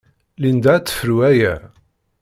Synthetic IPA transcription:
lind̪æt͡sːə̥fəɾuæjæ̰

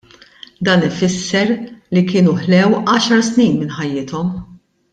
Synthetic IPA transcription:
d̪ɐːnɪfɪsːɛɾlikɪːnuħlɛwʔɐːʃɐɾsniːnmɪnħɐjːɪːt̪ɔm

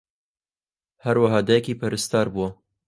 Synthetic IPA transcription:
hæɾwaɦɑːd̪ɛjɛkiːpɐɾɨst̪ɑːɾbuwɐ

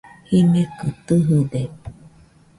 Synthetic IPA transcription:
hinekɯt̪ɨɦɯd̪e

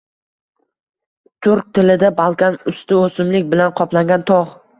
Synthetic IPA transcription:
t̪ʰʊɾk̚ʲt̪ʰɪlɪd̪abalˠkʲanʊst̪ɪosɪmlɪk̚ʲbɪlanqʰɒplaŋɡʲant̪ʰɒʁ

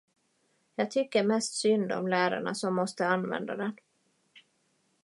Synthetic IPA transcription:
jɑːɡ̚t̪ʰʏkːəɾmɛst̪sʏnd̪ɔ̰mlæːɾa̰ɳa̰sɔmːɔst̪əanvɛ̰nd̪ad̪ɛn

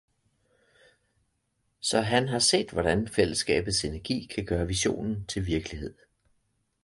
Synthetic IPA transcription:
sɒ̽ɦænɦɑ̈se̝̰ːd̥ʋɒɾ̥ænfel̰əsɡ̥ɛ̰ːb̥ð̩ˠse̝næɐɡ̥ḭːkʰæɡ̥ɶːɐʋiɕo̝̰ːnn̩t͡sʰe̝lʋiɐɡ̥əlihe̝ð̞̰ˠ

